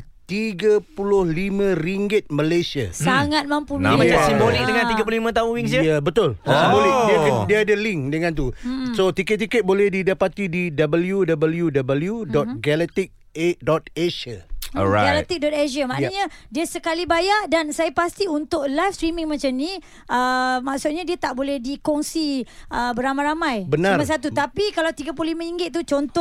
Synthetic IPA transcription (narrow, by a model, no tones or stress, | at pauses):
t̪iɡəpulʊhlimə̃riŋɡɪt̪̚mə̃lesiasaŋat̪̚mãmpumnasimbonikd̪əŋãniɡəp̬ululimə̃t̪auŋwiŋsjabət̪ʊlbolɛiadiaadəliŋk̚dəŋãnt̪̬usot̪ikɛt̪̚ːikɛt̪̚bolɛhdidapat̪ididabəljudabəljudabəljudɔt̪̚ɡalɛt̪ik̚ | edɔt̪̚eʃəɔaɡalɛk̚t̪ik̚dɔt̪̚eʃamaʔnaɲadiəsəkalibajaʔdansajapast̪iunt̪ʊʔlajfst̪ɾimĩŋmat͡ʃamni | ʔəmaʔsʊt̪̚ɲadiət̪aʔbolɛhdikɔŋsiʔəbəɾamãjɾamãjbənãrmas̬at̪̬ut̪apikalawt̪iɡap̬lulimãiŋɡɪt̪̚t̪ːut͡ʃɔnt̪ɔ